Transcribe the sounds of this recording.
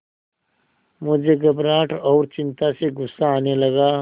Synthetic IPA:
mʊd͡ʒʱeɡəbɾaːʈʰɔːɾt͡ʃɪ̃nt̪aseɡʊsːaːnelɐɡa

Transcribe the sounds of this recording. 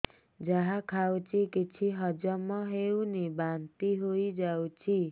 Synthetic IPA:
d͡zaɦãkʰawt͡sʰikit͡sʰiɦʌd͡zʌmʌɦewnibant̪iɦojd͡zawt͡sʰi

